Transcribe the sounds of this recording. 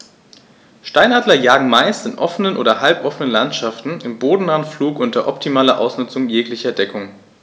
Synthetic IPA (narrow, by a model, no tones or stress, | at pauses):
ʃtaɪnaːdlɐjaːɡŋ̩maɪstɪnʔɔfənənʔo̰ːdɐhalpʔɔfənənlantʃaftn̩ɪmboːdn̩anfluːkʔʊntɐʔɔptʰimaːlɐʔa̰ʊsnʊt͡sʊŋjeːklɪçɐdɛkʰʊŋ